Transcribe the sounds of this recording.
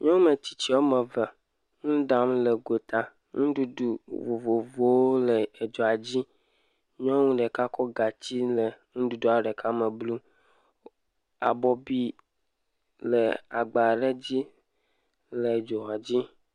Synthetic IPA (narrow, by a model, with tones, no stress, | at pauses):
ɲɔ̃˦ŋ˦me˨t͡ɕi˨t͡ɕi˦wo˦me˨və˨ | ŋũ˦ɖa˨mle˨ɡo˨t̪a˨ | ŋũ˦ɖu˦du˨vo˨vo˨vo˨wo˦le˨e˨d͡ʒo˨a˨d͡ʑi˦ | ɲɔ̃˦ŋũ˦ɖe˨ka˦kɔ˦ɡa˨t͡ɕi˦le˨ŋũ˦ɖu˦du˦a˨ɖe˨kʰa˦me˨blu˦ | a̰˨bɔ˨bi˦ | le˨a̰˨ɡ͡ba˨ɖe˦d͡ʑi˦ | le˨d͡ʒo˨a˨d͡ʑi˦